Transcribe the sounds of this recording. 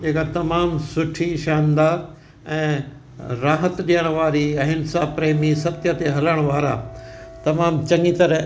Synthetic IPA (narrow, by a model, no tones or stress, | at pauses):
ɪkat̪ɐmaːmsʊʈʰiʃaːnd̪aːɾ | ɛ̃ː | ɾaːɦət̪ɗijəɽ̃ʋaːɾiɐɦɪnɪ̆sapɾeːmisɐt̪jət̪eɦɐləɽ̃ʋaːɾa̰t̪ɐmaːmt͡ɕɐ̃ŋɡit̪ɐɾ